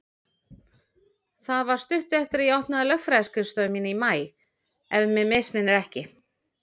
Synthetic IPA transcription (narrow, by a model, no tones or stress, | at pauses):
θaðvaɾ̥st̪ʏht̪ʏɛft̪ɪɾiawht̪naðɪlœxfɾaðskʏst̪œːmiːnɪimaːj | ɛvmɛmejsmɪnːɪɾɛhcɪ